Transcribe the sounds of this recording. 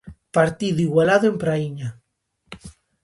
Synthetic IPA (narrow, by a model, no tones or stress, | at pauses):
paɾt̪iðuiɣwalaðoempɾaiɲa